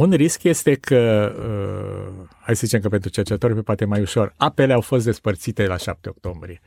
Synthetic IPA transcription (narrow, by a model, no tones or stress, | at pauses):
unriskje̞st̪e̞kʰəə̰ | hajsəzit͡ʃemkəpe̞nt̪ɾut͡ʃert͡ʃet̪orʲpepoat̪emajuʃo̞rape̞le̞awfo̞st̪d̪e̞spərt̪sit̪e̞laʃap̚t̪eo̞̰k̚t̪o̞mbɾije̞